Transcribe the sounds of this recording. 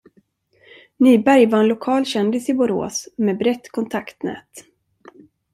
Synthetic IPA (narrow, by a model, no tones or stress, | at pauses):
nyːbæɾjvaɾɛnlʊkʰɑːlɕɛnd̪ɪsɪbʊɾo̰ːsmeːbɾɛt̪ːkʰɔnt̪ʰakt̪nɛ̰ːt̪